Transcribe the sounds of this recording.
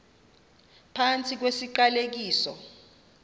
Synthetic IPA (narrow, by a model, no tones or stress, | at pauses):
pʰant͡sʰʼik̬wesiǃalek̬iːsɔ̰